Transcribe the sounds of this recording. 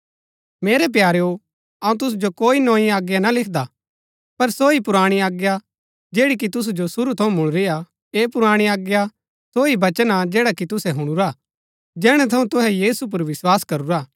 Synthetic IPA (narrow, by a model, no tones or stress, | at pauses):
meːɾɛp̬jaːɾeo | ɐũt̪̬ʊsud͡ʒokoːinõːĩaːɡjanalɪkʰd̪a | pɐɾsoːipʊɾaːɽ̃iaːɡja | d͡ʒeːɽik̬it̪ʊs̬ud͡ʒosʊɾut̪ʰɐũmʊɭ̃ɾɪja | eːpʊɾaːɽ̃iaːɡja | soːibɐt͡ʃənad͡ʒɛːɽakit̪ʊsɛɦʊɽ̃uɾa | d͡ʒɛːɽ̃ɛ̃t̪ʰɐũt̪ʊɦɛjiːsup̬ɐɾʋɪswaːskɐɾuɾaː